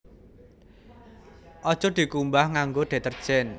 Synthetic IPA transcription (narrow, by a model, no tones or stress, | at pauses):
ʔɔd̥ʒ̥ɔ̤d̪̥i̤kumbahŋaŋɡoɖ̪̥e̤t̪ərd̥ʒ̥ɛn